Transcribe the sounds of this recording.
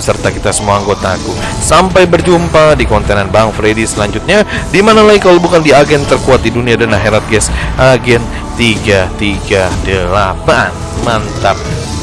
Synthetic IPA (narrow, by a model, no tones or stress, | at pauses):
əsərt̪akit̪asəmuaaŋɡot̪aku | sampajbərd͡ʒumpadikɔnt̪ɛnanbaŋfɾedisəlaɲd͡ʒut̪̚ɲadimanalaikalobukandiaɡɛnt̪ərkuat̪̚diduniadanaɦeɾat̪̚ɡɛsʔaɡɛn | t̪iɡat̪iɡadəlapan | mant̪ap̚